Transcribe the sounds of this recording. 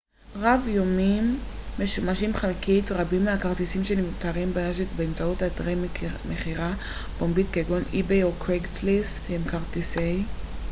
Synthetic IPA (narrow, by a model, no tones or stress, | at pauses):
ʁavjomimːeʃumaʃimχalkitʁabimːeakaʁtisimʃenimt̪aʁimbeneʃet̪beemt͡sautatʁemeχiʁa | b̥ombitkeɡonibejokʁeɡtlis | hemkaʁt̪isej